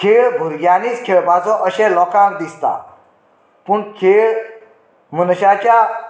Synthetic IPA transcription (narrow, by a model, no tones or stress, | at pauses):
kʰeɭbʱuɾɡaniːt͡skʰeɭbad͡zɔ̃ʔəɕɛ̃lɔkãkd̪ist̪a̰ | puɳkʰeɭ | munɕat͡ɕja